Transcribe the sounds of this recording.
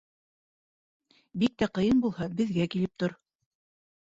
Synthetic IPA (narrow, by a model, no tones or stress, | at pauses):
bik̚t̪æqɤ̆jɤnbulˠhɑbɘ̆ðɡækilɘp̚t̪oɾ